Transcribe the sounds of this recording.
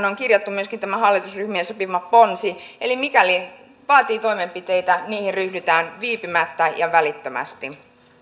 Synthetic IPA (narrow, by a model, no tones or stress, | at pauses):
neoŋkirjɑt̪ːumyøskint̪æmæhɑlːit̪usryhmiesopimɑponsielimikæli | ʋɑːt̪iːt̪oimempit̪eit̪æniːheryhdyt̪æːnʋiːpimæt̪ːæjɑʋælit̪ːømæ̰st̪i